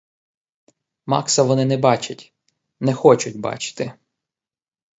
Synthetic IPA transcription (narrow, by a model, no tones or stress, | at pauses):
mɑ̰ksɐʋɔnɪnɛbɑt͡ʃɐtʲ | nɛxɔt͡ʃʊtʲbɑ̰t͡ʃɪ̥t̪ɪ